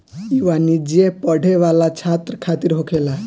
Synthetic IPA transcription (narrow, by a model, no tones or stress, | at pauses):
iʋanid͡ʒiepəɽʱeʋalat͡ʃʰat̪ɾəkʰat̪iɾɦokʰela